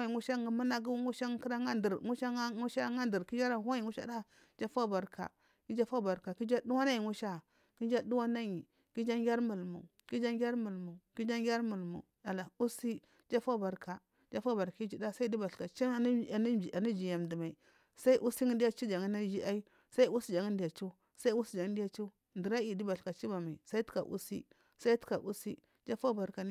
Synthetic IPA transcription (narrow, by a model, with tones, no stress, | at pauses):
i˨ŋu˦ʃa˦ŋi˨mu˦na˦ɡu˦ŋu˦ʃa˦ŋ˦ki˦ɾa˦ŋa˦di˨ɾŋu˦ʃa˦ŋu˦ʃa˦ŋa˦ndi˨ɾki˦d͡ʒa˦ɾa˦˨ha˦i˨ŋu˦ʃa̰˦da˦ | d͡ʒa˦fa˦˨ba˨ɾka̰˨ | ki˦d͡ʒa˦fa˦˨ba˨ɾka˨ki˦d͡ʒa˦du˦wa˦na˦ji˨ŋu˦ʃa˦˨ | ki˦d͡ʒa˦du˦wa˦na˦ɲi˨ | ki˦d͡ʒa˦ŋɡʲa˦ɾmu˨lmṵ˨ki˦d͡ʒa˦ŋɡʲa˦ɾmu˨lmu˨ki˦d͡ʒa˦ŋɡʲa˦ɾmu˨lmṵ˨ | da˨la˨u˦si˦ | d͡ʒa˦fa˦˨ba˨ɾka˨ | d͡ʒa˦fa˦ba˨ɾki˦d͡ʒi˨da˦sa˦di˦ba˨ɬka˨t͡ʃa˦˨˦a˨ni˦d͡ʒi˨ja˨mdi˨ma˨i˨ | sa˦i˦ʔu˦si˦ŋi˦di˦a˦t͡ʃi˦d͡ʒa˨ŋi˦na˦d͡ʒi˦ʔa˦i˦ | sa˦i˦u˦si˦d͡ʒa˨ŋi˦ndja˨t͡ʃu˦ | sa˦i˦u˦si˦d͡ʒa˨ŋ˦di˦ja˦t͡ʃu˦ | ndi˨ɾa˦i˨di˦ba˨ka˨t͡ʃi˦ba˨ma˨i˨sa˦i˦tu̥˦ka̰˨ʔṵ˦sḭ˦ | sa˦i˦tu̥˦ka˨ʔu˦si˦ | d͡ʒa˦fa˦ba˨ɾka˨n˦